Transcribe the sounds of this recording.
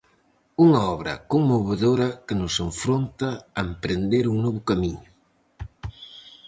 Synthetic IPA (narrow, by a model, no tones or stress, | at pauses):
uŋaɔβɾɐ̰koŋmoβeðoɾɐkenʊseɱfɾont̪ɐːempɾend̪eɾuŋnɔβʊkamiɲʊ